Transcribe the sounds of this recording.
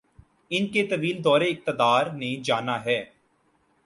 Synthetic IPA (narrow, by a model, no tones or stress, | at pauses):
ɪnket̪əʋiːld̪ɔːɾeɪk̚t̪əd̪aːɾnẽːd͡ʒaːnaːɦɛː